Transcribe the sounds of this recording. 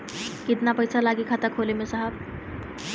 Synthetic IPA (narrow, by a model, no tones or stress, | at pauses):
kid̪napəjsʰalaɡikʰat̪akʰolemesəɦəb